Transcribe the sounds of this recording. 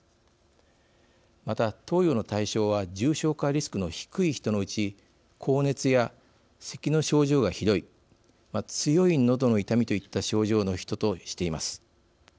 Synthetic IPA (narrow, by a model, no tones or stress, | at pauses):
mat̪at̪o̞ːjo̞no̞t̪aiɕo̞ːβ̞ad͡ʑɨːɕo̞ːkaɾʲisɨ̥kɯ̟no̞çi̥kɯ̟içi̥t̪o̞no̞ɯ̟t͡ɕi | kʰo̞ːne̞t͡sɨja | se̞kʲino̞ɕo̞ːʑo̞ːɡaçid̪o̞i | mat͡sɨjo̞ino̞d̪o̞no̞it̪amʲit̪o̞it̪ːaɕo̞ːʑo̞ːno̞çi̥t̪o̞t̪o̞ɕi̥t̪e̞imasɨ̥